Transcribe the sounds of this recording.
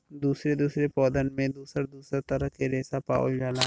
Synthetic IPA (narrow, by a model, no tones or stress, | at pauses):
d̪uːsɾed̪uːsɾepɔːd̪ənmẽd̪uːsəɾd̪uːsɾat̪ɐɾəɦkeɾeːsapa̰ːo̰ld͡ʒaːlaː